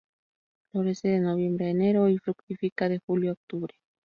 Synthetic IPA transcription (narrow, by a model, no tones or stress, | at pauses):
loɾeseðenoβjembɾeeneɾoifɾukt̪ifikaðexuljook̚t̪uβɾe̥